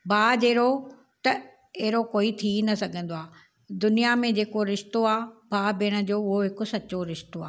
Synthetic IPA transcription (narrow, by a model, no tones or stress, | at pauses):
bʱaːd͡ʑeːɾo | t̪ɐ | eɦɪɾokoːit̪ʰinɐsɐɡʱə̃n̆d̪oaː | d̪ʊnijamẽd͡ʑeːkoɾɪʃt̪oaːbʱaːbɪɽ̃ə̆d͡ʑoːʊɦoɦɪkʊ̆sɐt͡ɕoɾɪʃt̪oaː